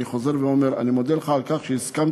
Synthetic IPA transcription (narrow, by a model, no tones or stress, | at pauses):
iχo̞ze̞ʁveomeʁa̰nimod̪eleχaːlkaχʃeiskam